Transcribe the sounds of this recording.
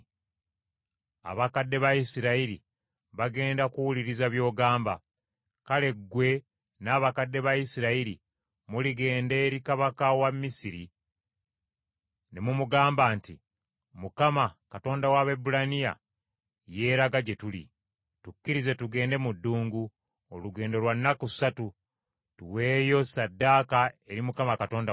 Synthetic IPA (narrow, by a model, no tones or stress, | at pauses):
a̰βakadːe̞βajisiɾaiɾḭ | βaɡe̞ːndakuwuliɾizaβjo̞ːɡaːmba | kale̞ɡwe̞ | naːβakadːe̞βajisiɾaiɾi | muliɡe̞ːnde̞ːɾikaβakawamːisiɾi | ne̞mumuɡaːmbaːnti | mukamakato̞ːndawaβe̞bulanija̰ | je̞ːɾaɡaɟe̞tulḭ | tukːiɾize̞tuɡe̞ːnde̞mudːuːŋɡu | oluɡe̞ːndo̞lwanːaku̥satu | tuwe̞ːjo̞sadːaːkae̞ɾimukamakato̞ːnda